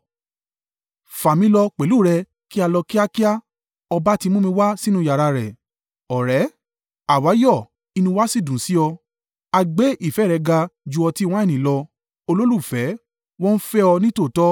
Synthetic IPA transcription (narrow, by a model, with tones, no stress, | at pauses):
fa˨mĩ˧˦lɔ˧k͡pe˨lu˦˨ɾɛ˧ | ki˦a˧lɔ˧ki˦a˦ki˦a˦ | ɔ˧ba˦ti˧mũ˦mĩ˧wa˦si˦nũ˦ja˨ɾa˧ɾɛ˨ | ɔ˨ɾɛ˨˦ | a˨wa˨˦jɔ˦˨ | i˧nũ˧wa˦si˦˨dũ˨si˨˦ɔ˧ | a˧ɡ͡be˦ʔi˦˨fɛ˨˦˨ɾɛ˨˧ɡa˧d͡ʒu˧ɔ˧ti˦w̃ɔ̃˦ɛ˦˨nĩ˨˦lɔ˧ | o˧lo˦lu˦˨fɛ˨˦ | wɔ̃˦n̩˦fɛ˦ɔ˧nĩ˦to˦˨tɔ˦